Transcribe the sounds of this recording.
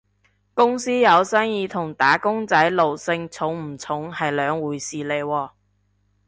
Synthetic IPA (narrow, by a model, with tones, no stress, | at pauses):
kʊ˥ŋsiː˥jɐ˨˧wsɐː˥ŋjiː˨˧t̪ʰʊ˨˩ŋt̪aː˨˥kʊ˥ŋt͡sɐ˨˥jlo˨wsɪ˧ŋt͡sʰʊ˨˥ŋm̩˨˩t͡sʰʊ˨˥ŋhɐ˨jlœː˨˧ŋwuː˨˥jsiː˨˩le˨jwɔː˧